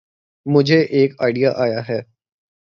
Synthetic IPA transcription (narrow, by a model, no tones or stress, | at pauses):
mʊd͡ʒʱeʔeːka̰ːɪɖijaʔaːjaɦɛː